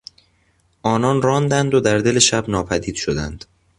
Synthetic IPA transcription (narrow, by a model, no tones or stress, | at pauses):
ʔɒːnɒːnɾɒːnd̪ænd̪od̪æɾd̪e̞le̞ʃæbnɒːpʰæd̪iːd̪̥ʃod̪æ̰nd̪̥